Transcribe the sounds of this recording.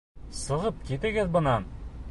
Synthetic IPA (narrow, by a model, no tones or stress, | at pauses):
sɤ̆ʁɤp̚kit̪ɘ̆ɡɘðbɤ̆nɑn